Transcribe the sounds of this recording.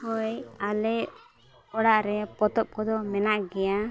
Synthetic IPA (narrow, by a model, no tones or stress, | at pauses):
hɔjalɛʔ | kɔɽaʔɾɛpɔt̪ɔp̚kɔd̪ɔmɛnaʔɡɛja